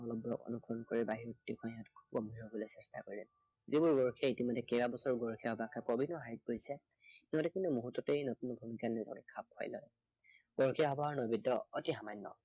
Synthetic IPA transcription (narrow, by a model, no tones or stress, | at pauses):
ɔlɔbɔ̰kɔ̰nukʰɔnkoɹibaɦiɹɔktːikʰɔ̃jãtkʰu̥b̚kɔmiɹɔbɔlojsɛsta̰koɹilɛ | zibʊɹɡɔɹkʰɛitimɔdːɛkɛbabɔsɔɹɡɔɹkʰijaɦɔbakʰɛpɔbʱinːɔɦaɹit̚ɡojsɛitimɔtdɛkintumuɦutːɔtejnɔtunbʱumikanɛzɔ̰kɛkʰap̚kʰɔ̰jlɔ̰ | ɡ̥ɔɹkʰiaɦɔbaɦɔɹnɔbidɔɔtiɦamajnːɔ̰